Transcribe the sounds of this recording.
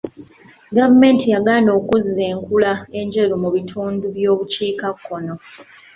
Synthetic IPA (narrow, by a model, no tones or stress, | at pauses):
ɡavume̞ːntijaɡaːno̞ːkuziːeːŋkulae̞ɲd͡ʒeɾomuβitʰuːnduβjo̞ːβut͡ʃiːkakʰːo̞no̞